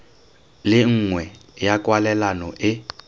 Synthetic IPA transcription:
lɪŋ̩ŋwɛjakʼwalɛlanɔʔɪ

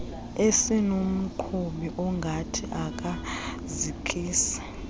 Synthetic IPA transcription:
esinum̩ǃʰuɓiʔɔŋɡʱatʰiʔak̬ʼa | zikʼʰiːsḁ

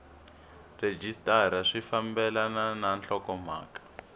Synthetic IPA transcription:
red͡ʒistʼaɾ̤aʂifambɛlanananɬɔkɔm̤a̰ːkḁ

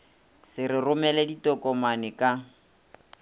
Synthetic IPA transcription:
sɪrɪrʊmɛlɛditʼɔkʼɔmanɪkʼa

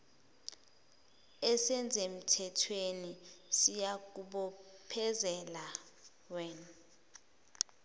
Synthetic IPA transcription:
ɛsɛnd͡zʱem̩tʰɛtʰwenisijak̬uɓɔpʰɛzɛla | wɛn

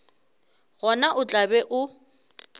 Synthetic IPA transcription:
ɣɔnaʔʊt͡ɬʼabɛʔʊ

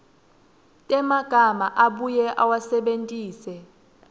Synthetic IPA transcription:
tʼɛmaɡ̥ʱamaʔaɓujɛʔawasɛɓentʼiːsɛ

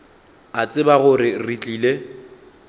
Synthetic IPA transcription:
at͡sʼɪbaɣʊrɪrit͡ɬʼiːle

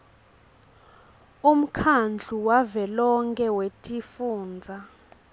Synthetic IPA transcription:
um̩kʰand͡ɮʱuwavɛlɔŋkʼɛwetʼifuːnd͡zʱa

